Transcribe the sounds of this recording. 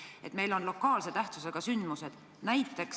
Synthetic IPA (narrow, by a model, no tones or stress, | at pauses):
e̞t̪me̞jlo̞nlo̞kːˑɑːlse̞t̪æht̪suseɡ̥ɑsynd̪̥muse̞d̪̥ | næjt̪ːˑe̞ks